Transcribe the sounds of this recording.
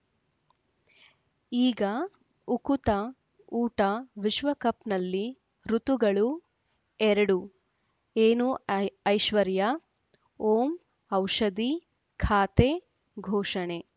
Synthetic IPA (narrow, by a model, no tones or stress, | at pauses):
iːɡɐ | ukut̪ɐ | uːʈɐʋiʃʋɐkɐpnɐlːi | ɾut̪uɡɐɭu | ɛɾɐɽu | eːnuɐjʃʋɐɾjɐ | oːm | ɐwʂɐd̪i | kʰaːt̪e | ɡʱoːʂɐɳe̞